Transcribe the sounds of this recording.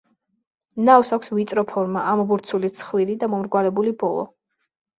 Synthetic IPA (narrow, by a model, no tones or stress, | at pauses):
nawsakʷʰsvit̪sʼɾɔpʰɔɾmaʔambuɾt̪sʰulit̪sʰχwiɾid̪amɔmɾɡwalɛbulibɔlˠɔ̰